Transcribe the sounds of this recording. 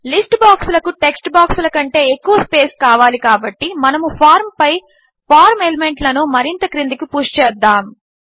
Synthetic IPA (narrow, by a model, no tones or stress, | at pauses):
lisʈbaːksulɐkuʈeksʈbaːksulɐkɐɳʈe̞ːekːuʋɐspe̞ːskaːʋaːlikaːbɐʈːimɐnɐmupʰaːɾmpɐj | pʰaːɾmelemeɳʈlɐnumɐɾint̪ɐkɾind̪ikipuːʂt͡ʃɛːd̪ːaːm